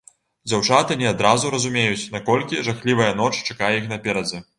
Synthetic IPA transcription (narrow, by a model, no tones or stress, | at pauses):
d͡zʲawt͡ʂat̪ɨnʲɛad̪ɾazuɾɐzumʲejut͡sʲnakɔlʲkʲiʐaxlʲivɐjɐn̪ɔt͡ʂt͡ʂakajɛixnɐpʲɛɾɐd͡zʲɛ